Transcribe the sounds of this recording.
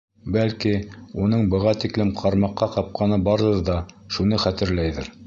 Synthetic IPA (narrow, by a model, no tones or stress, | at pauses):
bælkiunɤɴbɤ̆ʁɑt̪iklɘmqʰɑɾmɑqːɑqɑp̚qʰɑnɤbɑɾðɤɾðɑʃunɤχæt̪ɘ̆ɾlæjðɘɾ